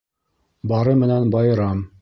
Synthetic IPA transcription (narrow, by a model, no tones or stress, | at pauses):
bɑɾɤmɘ̆nænbɑjɤ̆ɾɑm